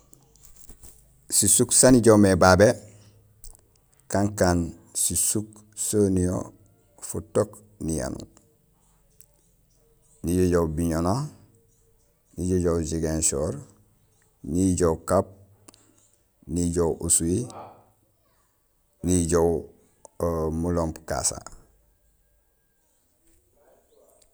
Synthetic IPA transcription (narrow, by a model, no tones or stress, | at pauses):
sisuksaniɟomebabe | kaŋkaːn | sisuk | sonio̰ | futok | nija̰nṵ | niɟoɟowbiɲono | niɟoɟowd͡ʒiɡensoɾ | niɟowkap̚ | niɟowʔusui | niɟow | muloːmpka̰sa̰